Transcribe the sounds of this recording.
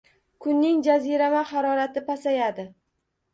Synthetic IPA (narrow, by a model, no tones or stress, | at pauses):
kʰʊnːɪŋd͡ʒaziɾamahɑɾɒɾat̪ɪpasajad̪ɪ